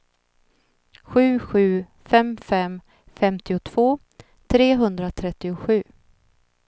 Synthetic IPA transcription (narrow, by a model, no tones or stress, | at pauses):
ɧʉ̟ːɧʉ̟ː | fɛmfɛm | fɛmt̪ɪʊt̪ʰv̥oː | t̪ʰɾeːɦɵnd̪ɾat̪ʰɾɛt̪ːɪʊɧʉ̟ː